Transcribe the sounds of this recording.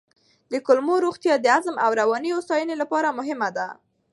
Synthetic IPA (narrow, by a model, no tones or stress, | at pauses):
d̪əkʊlmoɾoxt̪jɑd̪əazmawɾawɑnijost̪ɑjənelapɑɾamʊɦɪmad̪a